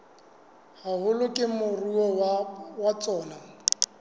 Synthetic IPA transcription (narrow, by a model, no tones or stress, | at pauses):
hahʊlʊkʼɪmʊruɔwat͡sʼɔːna